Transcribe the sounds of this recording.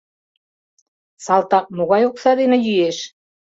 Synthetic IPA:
sɑlˠt̪ɑq̚moɣɑjoksɑd̪enɘ̆jyjeʃ

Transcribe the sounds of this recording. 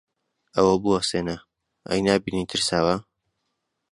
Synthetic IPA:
ɐwɐbuɐseːnɐ | ʔɐ̰jnaːbiːnit̪ʰɨɾsaːwa

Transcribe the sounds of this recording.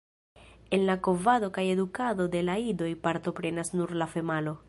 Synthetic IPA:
enlakovado̞kaje̞d̪ukad̪o̞d̪e̞laid̪o̞jpaɾt̪o̞pɾe̞nasnuɾlafe̞malo̞

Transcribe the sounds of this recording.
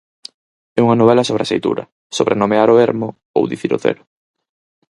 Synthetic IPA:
ɛuŋɐnoβɛlɐsoβɾeɐsejt̪ṵɾɐ̰ | soβɾenomeaɾoeɾmʊ | o̰wðiθiɾʊ̰θḛɾʊ

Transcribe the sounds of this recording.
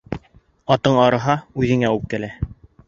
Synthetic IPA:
ɑt̪ɤɴɑɾɤ̆ɦɑʉðɘ̆ŋæup̚kælæ

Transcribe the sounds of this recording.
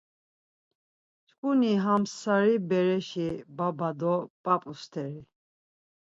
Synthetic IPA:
t͡ʃʼkʼuniɦamsaɾibɛɾɛʃibabad̪ɔpʼapʼust̪ʰɛɾi

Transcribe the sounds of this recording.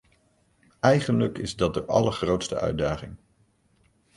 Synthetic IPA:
ɛjχənləkɪzdɑt̚dəʔɑ̰ləɹχrowtstəʔœ̰ɥdaːχɪŋ

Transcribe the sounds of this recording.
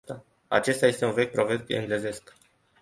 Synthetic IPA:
t̪a | a̰t͡ʃe̞st̪aje̞st̪e̞unve̞k̚ʲpɾo̞vet̪ḛŋɡleze̞sk

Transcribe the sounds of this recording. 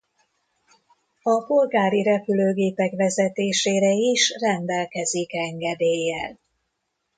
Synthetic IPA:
ɒpo̞lɡaːɾiɾɛpyløːɡeːpɛkʋɛzɛt̪eːʃeːɾɛiʃrɛnd̪ɛlkɛzikɛŋɡɛd̪eːjːɛl

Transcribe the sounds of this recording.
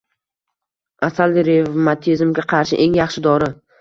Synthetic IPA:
asald̪ɪɾevmat̪ʰizmɡʲaqʰɑɾʃɪʔe̞ŋjɑχʃɪd̪ɒɾɪ

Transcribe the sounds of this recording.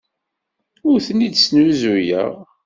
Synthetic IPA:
ʊɾθənid̪snuzujə̰ʁ

